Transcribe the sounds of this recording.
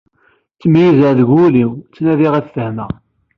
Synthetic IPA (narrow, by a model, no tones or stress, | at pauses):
t͡sːəmjizəðɡuliwt͡sːnæðiʁæθθəhmæ